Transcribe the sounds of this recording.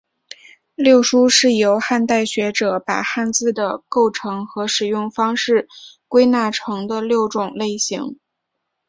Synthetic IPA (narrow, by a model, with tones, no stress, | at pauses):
ljo˥˩ʊʂu˥ʂɻ̩˥˩jo˧˥ʊxa˥˧nt̪a˥˩ɪɕɥɛ˧˥ʈ͡ʂɤ˨˩˦pa̰˨˩xa˥˧nt͡sɹ̩˥˩d̪ə˩ko˥˩ʊʈ͡ʂʰɤ˧˥ŋxɤ˧˥ʂɻ̩˨˩jʊ˥˩ŋfɑ˥ŋʂɻ̩˥˩ | kwe˥ɪna˥˩ʈ͡ʂʰɤ˧˥ŋd̪ə˧ljo˥˩ʊʈ͡ʂʊ˨˩ŋle˥˩ɪɕḭ˧˥ŋ